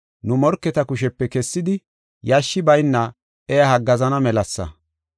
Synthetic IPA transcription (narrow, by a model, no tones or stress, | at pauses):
nʊmɔɾkːɛt̪ɐkʊʃ̬ɛpːɛkɛsːɪd̪ɪ | jɐʃːɪbɐjnːɐ | ɛjɐhɐɡːɐzɐnɐmɛlɐsːɐ̰